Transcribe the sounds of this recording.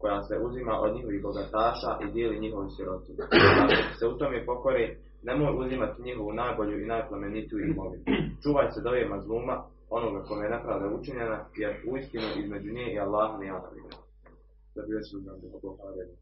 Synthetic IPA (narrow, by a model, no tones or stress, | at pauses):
ko̞jaːseʔuzimaʔod̪ɲiɦo̞ʋiːɦbo̞ɡat̪aːʃaːʔid̪jeːliɲiɦo̞ʋisjiɾo̞t̪inakok̪se̞ut̪o̞mepo̞ko̞ɾeː | nemojuzimat̪iɲiɦo̞ʋunaːjboʎuinaːjplˠamenit̪ijuimoʋit͡ʃuːʋaːjsed̪o̞ʋjemazlˠuːma | o̞noɡako̞jmejenepɾaːʋd̪aut͡ʃiɲenajeɾuist̪inuʔizme̞d͡ʑuɲeːialˠːaːɦanejanaʋḭːna | zabijoʃimuzad̪apokopaːɾa